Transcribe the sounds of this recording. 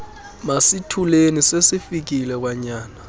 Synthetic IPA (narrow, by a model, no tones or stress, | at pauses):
masitʰulenisesifik̬ilɛk̬waɲaːna